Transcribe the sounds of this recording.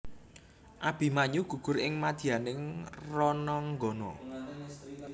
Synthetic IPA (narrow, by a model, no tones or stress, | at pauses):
ʔab̥i̤maɲuɡ̥ṳɡ̥ʊ̤ɾɪŋmad̪̥i̤anɪŋrɔnɔŋɡɔnɔ̰